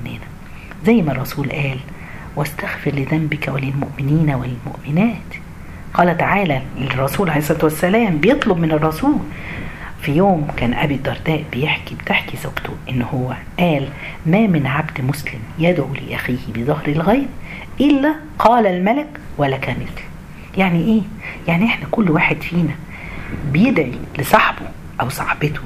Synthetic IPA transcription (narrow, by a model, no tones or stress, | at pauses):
nːɪnæ | zæjːmærˤːɑsuːlʔæːl | wæst̪æxfɪɾlɪðæmbɪkæwɪlɪlmʊʔmɪniːnwɪllmʊ̰ʔmɪnæːt̪ | qɑːlæt̪aʕaːlærˤːɑsuːlʕaleːsˤːt̪wæsːælæːmbɪjet̪ˤlobmɪnɑrˤːɑsuːl | fijoːmkæːnʔæ̰bid̪ːɑɾˤd̪æːʔbɪjeħkibt̪eħkizʊɡt̪ʊʔɪnːhʊwːæ | ʔæːl | mæːmɪnʕabd̪mʊslɪmjæd̪ʕulḭʔæxiːhbezˤɑhɾɪlɣæːb̚ | ʔɪlːæ | qʰɑːlælmælɪk | wælːækæːmɪlt̪ | jaʕniʔeː | jaʕniʔeħnækʊlːwaːħed̪fiːnæ | bejed̪ʕilesˤɑħbo | ʔæwsˤɑħbɪt̪o̥